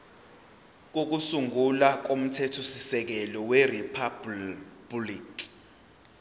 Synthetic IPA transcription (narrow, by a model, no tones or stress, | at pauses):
k̬ok̬usuŋɡulak̬om̩tʰɛtʰusisɛk̬ɛlɔweripʰabbliːk